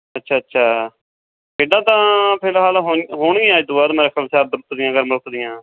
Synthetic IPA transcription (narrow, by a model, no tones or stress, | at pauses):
ətːʃʰaːətːʃʰaː | keːɖãːt̪ãːpʰeːlɦaːlɦoɦoːɳiːãːed̪ʊaːd̪məɾəkʰəbt͡ʃaːɾd̪ɾʊt̪d̪ɪjãːɡəɾmɾʊk̪d̪ɪjãː